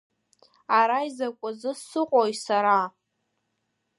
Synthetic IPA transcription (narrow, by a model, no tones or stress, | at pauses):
aɾaizakʷʼʊzɨsɨqʼojsaɾa